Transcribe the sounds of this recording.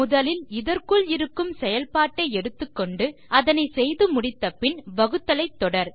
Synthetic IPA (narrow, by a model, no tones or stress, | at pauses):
mʊðɐlɪlɪðɐrkɯɭɪɾɯkːɯmsɛjɐlpaːʈːɐɪɛɽɯt̪ːɯkːɔɳɖɯɐðɐnɐɪsɛjðɯmʊɽɪt̪ːɐpɪnʋɐɣɯt̪ːɐlɐɪt̪ːɔɽɐɾ